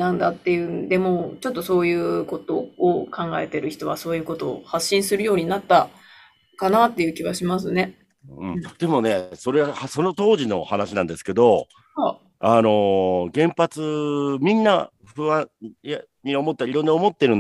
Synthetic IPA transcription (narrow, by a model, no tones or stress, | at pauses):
nãnd̪at̪ːe̞jɯ̟nd̪e̞mo̞t͡ɕo̞t̪ːo̞so̞ːjɯ̟ːko̞t̪o̞ːkãŋɡa̰e̞t̪e̞ɾɯ̟çi̥t̪o̞βaso̞ːjɯ̟ːko̞t̪o̞̰ːhaɕːĩɰ̃sɨɾɯ̟jo̞ːɲ̟inat̪ːa | kanat̪ːe̞jɯ̟ːkʲiβaɕimas̬ɨne̞ | ɯ̃ɴd̪̥e̞mo̞ne̞so̞ɾe̞ahaso̞no̞t̪o̞ːʑino̞̰hanaɕinãnd̪e̞sɨ̥ke̞d̪o̞ | ha | ano̞ɡẽ̞mpat͡sɨmʲĩnːa | ɸɯ̟βãa | ɲiomo̞t̪ːaiɾo̞nːoːmo̞t̪ːeɾɯ̟n